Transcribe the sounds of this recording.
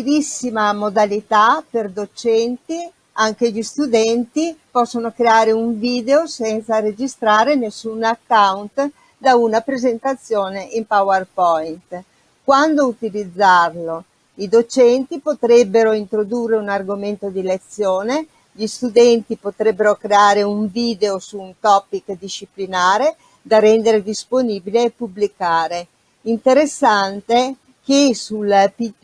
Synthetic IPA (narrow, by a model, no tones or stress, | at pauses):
ilisːimamod̪alit̪aperd̪ot͡ʃɛnt̪i | aŋk̟eʎist̪ud̪ɛnt̪ipɔsːonokɾeaːɾeuɱviːd̪eosɛnt̪saɾed͡ʒist̪ɾaːɾenesːunakːawnt̪ | d̪aunapɾezent̪at̪sːjoːneʔimpawarpɔint̪ | kwand̪out̪ilid̪zːarlo | id̪ot͡ʃɛnt̪ipot̪ɾɛbːeɾoint̪ɾod̪urːeunarɡoment̪od̪ilet̪sːjoːne | ʎist̪ud̪ɛnt̪ipot̪ɾɛbːeɾokɾeaːɾeuɱviːd̪eosuːnt̪ɔpːikd̪iʃiplinaːɾe | d̪arɛnd̪eɾed̪isponiːbileːpːubːlikaːɾe | int̪eɾesːant̪e | kesulpi